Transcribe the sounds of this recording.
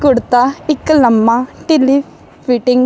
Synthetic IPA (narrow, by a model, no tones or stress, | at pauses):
kʊɽt̪aɪkːlɐmːaʈili | piʈiŋɡ